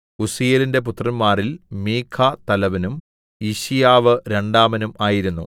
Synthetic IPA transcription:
usijelinde̞p̬ut̪ːrɐnmaːrilmiːkʰːaːt̪ɐlɐʋɐnum | iɕijaːʋɨɾe̞ɳɖaːmɐnumaːjiɾunːṵ

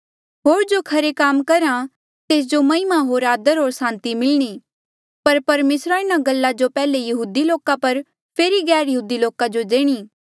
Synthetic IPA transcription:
ɦoːɾd͡ʒokʰɐɾekaːmkɐɾa | t̪eːs̬d͡ʒomɐɪmaɦoːɾaːd̪əɾɦoːɾsãːnt̪imɪlɽ̃iː | pɐɾpɐɾmeːsɾaɪñaɡɐlːad͡ʒopɛːlejɐɦuːd̪iloːkapɐɾ | pʰeːɾiɡɛːɾjɐɦuːd̪iloːkad͡ʒod̪eːɽ̃iː

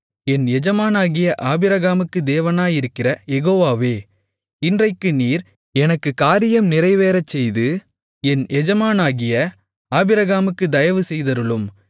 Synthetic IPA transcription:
ɛnɛd͡ʒɐmaːnaːɣɪjɐʔaːbɪɾɐɣaːmɯkːɯd̪eːʋɐnaːjɪɾɯkːɪrɐjɛɣoːʋaːʋeː | ɪndrɐɪkːɯniːɾ | ɛnɐkːɯkaːɾɪjɐmnɪrɐɪʋeːɾɐt͡ʃːɛjðɯ | ɛnʔɛd͡ʒɐmaːnaːɣɪjɐ | aːbɪɾɐɣaːmɯkːɯd̪ɐjɐʋɯsɛjðɐɾɯɭɯm

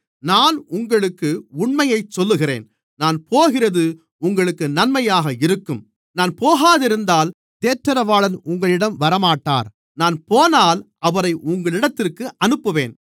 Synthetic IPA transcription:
naːnʊŋɡɐɭɯkːɯʊɳmɐjɐɪt͡ʃsɔlːɯɣɪɾḛːn | naːnpoːɣɪrɐðɯ | ʊŋɡɐɭɯkːɯnɐnmɐjaːɣɐɪɾɯkːɯm | naːnpoːɣaːðɪɾɯnd̪aːl | t̪eːʈɾɐɾɐʋaːɭɐnʊŋɡɐɭɪɽɐmʋɐɾɐmaːʈːa̰ːɾ | naːnpoːnaːl | ɐʋɐɾɐɪʔʊŋɡɐɭɪɽɐt̪ːɪrkɯʔɐnɯpːɯʋḛːn

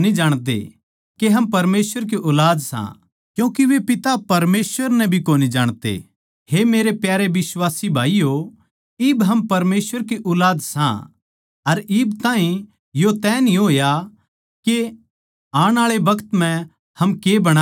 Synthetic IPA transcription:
nid͡ʒaːɽ̃t̪ḛ | keɦɐmpɐɾmeːsʋəɾk̬iʔɔːlaːd̪sã̰ | kjũːkiʋepɪt̪apɐɾmeːsʋəɾnɛbʱikoːnid͡ʒaːɽ̃t̪ḛ | hemeːɾepjaːɾeʋɪswaːsibʱaːijo | ɪbɦɐmpɐɾmeːsʋəɾk̬iʔɔːlaːd̪sã̰ | ɐɾɪːbt̪ãːɦĩ | jot̪ɛːnĩɦoːja | ke | aːɽ̃aːɭebɐkət̪m̤ɛ̃ | hɐmkebɐɽ̃a

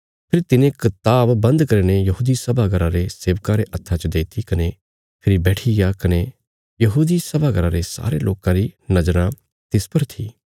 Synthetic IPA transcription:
pʰɪɾt̪ɪnẽkɪt̪aːbːɐ̃nd̪kɐɾinejɐɦuːd̪isɐbʱaɡɐɾãɾeseːʋkãɾeʔɐt̪ʰːãt͡ʃəd̪eːt̪ʰikɐne | pʰɪɾibɛːʈʰiɡakɐne | jɐɦuːd̪isɐbʱaɡɐɾãɾesa̰ːɾeloːkãɾinɐd͡ʒɾã | t̪ɪspɐɾt̪ʰiː

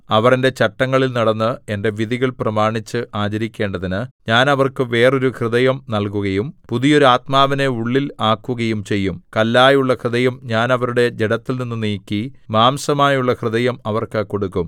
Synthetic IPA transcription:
ɐʋɐrende̞t͡ɕɐʈːɐŋːɐɭilnɐɽɐnːɨende̞ʋiðiɣɐɭprɐmaːɳit͡ɕːɨʔaːd͡ʑɐɾikʲːe̞ːɳɖɐðinɨɲaːnɐʋɐrkɨʋe̞ːro̞ɾukrɨðɐjɐmnɐlkuɣɐjumpuðijo̞ɾuaːt̪maːʋɐne̞uɭːilaːkːuɣɐjumt͡ɕe̞jːumkɐlːaːjuɭːɐkrɨðɐjɐmɲaːnɐʋɐɾuɽe̞d͡ʑeɽɐt̪ːilninːuniːkʲːimaːmsɐmaːjuɭːɐkrɨðɐjɐmɐʋɐrkɐko̞ɽukːum

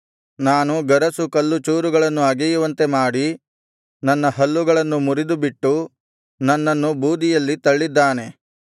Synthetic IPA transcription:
naːnuɡɐɾɐsukɐlːut͡ʃuːɾuɡɐɭɐnːuɐɡɛjuʋɐnt̪e̞maːɽi | nɐnːɐɦɐlːuɡɐɭɐnːumuɾid̪ubiʈːu | nɐnːɐnːubuːd̪ijɐlːit̪ɐɭːid̪ːaːne̞

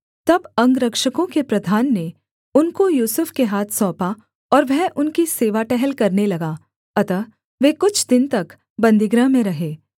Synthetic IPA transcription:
t̪ɐbɐ̃ŋɡɾɐkʃəkõkepɾɐd̪ʱaːnːe | ʊnkojuːsʊfkeɦaːt̪ʰsɔ̃ːpa | ɔːɾʋɛɦʔʊnkiseːʋaʈɛɦɛlkɐɾnelɐɡaː | ɐt̪ə | ʋeːkʊt͡ʃʰd̪ɪnt̪ɐk | bɐ̃nd̪ɪɡɾəmẽɾɐɦeː

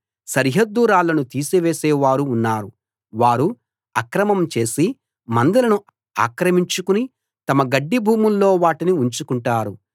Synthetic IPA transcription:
sɐɾɦɐd̪ːuːɾaːlɐnut̪iːsiʋeːsɛːʋaːɾuːnːaːɾu | ʋaːɾu | ɐkɾɐmɐmt͡ʃe̞ːsi | mɐnd̪ɐlɐnu | a̰ːkɾɐmiɲt͡ʃukuni | t̪ɐmɐɡɐɖːibʱuːmullo̞ːʋaːʈiniuɲt͡ʃukuɳʈaːɾu

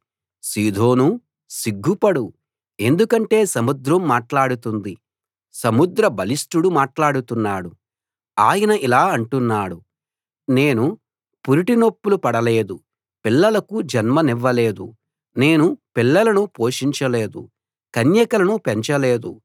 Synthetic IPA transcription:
siːd̪ʱo̞ːnu | siɡːupɐɽu | e̞nd̪ukɐɳʈe̞ːsɐmud̪ɾɐmːaːʈlaːɽut̪und̪i | sɐmud̪ɾɐbɐlisʈuɽumaːʈlaːɽut̪unːaːɽu | aːjɐnɐʔilaːɐɳʈunːaːɽu | ne̞ːnu | puɾiʈinopːulupɐɽɐle̞ːd̪u | pilːɐlɐkud͡ʒɐnmɐniʋːɐle̞ːd̪ṵ | ne̞ːnupilːɐlɐnupo̞ːʂiɲt͡ʃɐle̞ːd̪ṵ | kɐnjɐkɐlɐnupeɲt͡ʃɐleːd̪ṵ

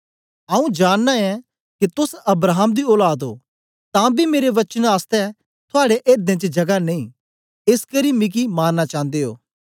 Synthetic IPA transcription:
ɐũd͡ʒaːnːaɛ̃ | kit̪ʊsɐbɾaːɦəmd̪iɔːlaːd̪o̰ː | t̪ãːbʱimeːɾeʋɐt͡ʃənaːst̪ɛ | t̪ʰʊaːɽeʔeːɾd̪ẽt͡ʃəd͡ʒɐɡaneĩː | ɪskəɾimɪk̬imaːnːat͡ʃãːnd̪eɦo̰ː

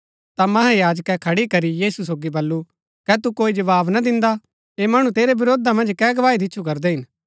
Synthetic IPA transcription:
t̪amɐɦɛ̃jaːd͡ʒkɛkʰɐɽikɐɾijiːsusoːɡibɐlːu | kɛt̪ukoːid͡ʒɐʋaːbnad̪ɪ̃nd̪a | eːmɐɽ̃ũt̪eːɾebɪɾoːd̪amɐ̃nd͡ʒkɛːɡɐʋaːid̪ɪtːʃʰukɐɾd̪eɦɪn

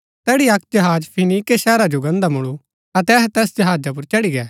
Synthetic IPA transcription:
t̪ɛːɽiɐkʰd͡ʒɐɦaːd͡ʒpʰɪniːkeʃɛːɾad͡ʒoɡɐ̃nd̪amʊɭu | ɐt̪ɛɦt̪ɛːsd͡ʒɐɦaːd͡ʒap̬ʊɾt͡ʃɐɽiɡɛː

